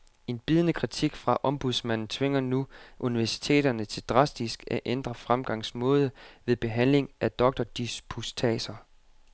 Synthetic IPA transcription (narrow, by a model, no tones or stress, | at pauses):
e̝nb̥ið̞ˠnəkʰʁit͡sʰiɡ̥fʁɑ̈ʔɒ̽mb̥uðˠsmæn̰n̩t͡sʰʋe̝ŋ̰ɐnuʔuniʋæɐsi̥t͡sʰe̝̰ːd̥ɐnət͡sʰe̝ld̥ʁɑ̈sd̥isɡ̥æʔend̥ʁɐfʁamɡ̥ɑ̈ŋ̰smɔ̽ːð̞ˠəʋe̝ðˠb̥e̝ɦæn̰le̝ŋʔæd̥ɒ̽ɡ̥̚d̥ɒd̥ispʰust͡sʰɛ̰ːsɐ